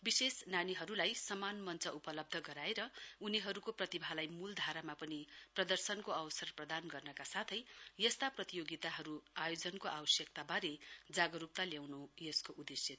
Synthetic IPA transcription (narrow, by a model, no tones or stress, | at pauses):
bisesnaniɦʌɾulajsʌmanmʌnt͡sʌupʌlʌb̚d̪ʱʌɡʌɾaeɾʌuniɦʌɾukoprʌt̪ibʱalajmuld̪ʱaɾamapʌniprʌd̪ʌrsʌnkoʌwʌsʌrprʌd̪anɡʌrnʌkasat̪ʰʌjjʌst̪aprʌt̪ijoɡit̪aɦʌɾuajod͡zʌnkoʔawʌsjʌk̚t̪abaɾed͡zaɡʌɾup̚t̪aljawnojʌskoʔud̪esje